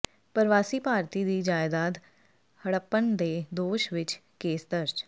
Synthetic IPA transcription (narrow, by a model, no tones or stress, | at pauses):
pəɾʋaːsiːpaːɾt̪iːd̪iːd͡ʒaːɪd̪aːd̪ | həɽəpːənd̪eːd̪oːʃʋɪt͡ʃ | keːsd̪əɾd͡ʒ